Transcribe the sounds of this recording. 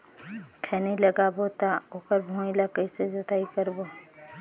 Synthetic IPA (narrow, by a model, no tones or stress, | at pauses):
kʰɛːniləɡaːbot̪aoːkəɾbʱũːilakəised͡ʒət̪aːikəɾbo